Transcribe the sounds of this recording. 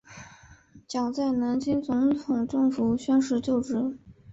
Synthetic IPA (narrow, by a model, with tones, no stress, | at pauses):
t͡ɕjɑ˨˩ŋt͡sa˥˩ɪna˧˥nt͡ɕʰi˥nt͡sʊ˧˥ŋt̪ʰʊ˨˩ŋʈ͡ʂɤ˥˩ŋfu˨˩ɕɥɛ˥nʂɻ̩˥˧t͡ɕjo˥˧ʊʈ͡ʂɻ̩˧˥